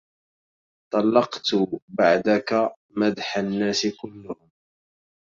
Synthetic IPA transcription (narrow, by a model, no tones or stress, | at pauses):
t̪ˤɑlːɑqt̪baʕd̪aka | mæd̪ħanːæːsɪkʊlːʊhʊm